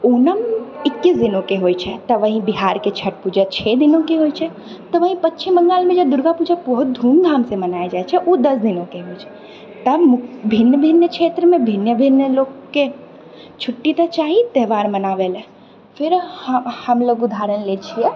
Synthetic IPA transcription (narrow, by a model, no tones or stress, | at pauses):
unəmɪkːis̬d̪inõkeɦoːjt͡ʃʰɛt̪əʋəɦĩbiɦaɾket͡ʃʰəʈ̚pud͡ʒət͡ʃʰɛd̪inõkeɦojt͡ʃʰɛ | t̪əʋəɦĩpətːt͡ʃʰiməŋɡaːlmẽd͡ʒəd̪ʊɾɡapud͡ʒabɔɦʊt̪̚d̪ʱũmɡʱaːmsemənaed͡ʒaet͡ʃʰɛʔud̪əsd̪inõkeɦojt͡ʃʰɛ̥ | t̪əmʊbʱinjəbʱɪnjəkʰet̪ɾəmẽbʱɪnjəbʱinjəlokːe | t͡ʃʰʊʈːit̪ət͡ʃaɦit̪ɛɦʋaːɾmənaʋel | pʰɪɾhəmloɡud̪ʱaɾənlet͡ʃʰiɛ